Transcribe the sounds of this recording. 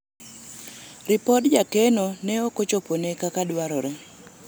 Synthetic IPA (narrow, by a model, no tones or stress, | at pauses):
ɾɪpɔdd͡ʒakenonɛokot͡ʃoponekakadwaɾoɾe